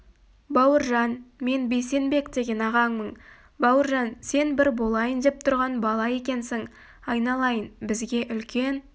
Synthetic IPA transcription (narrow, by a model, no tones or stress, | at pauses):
bɑwəɾʒɑnme̞nbe̞jse̞nbe̞kd̪e̞ɡʲe̞nɑʁɑŋməɴ | bɑwəɾʒɑnse̞nbɪɾbo̞lˠɑjənd̪e̞p̚t̪ʰʊɾʁɑnbɑlˠɑje̞kʲe̞nsɪŋ | ɑjnɑlˠɑjənbɪzɡʲe̞ʔʏlkʲe̞n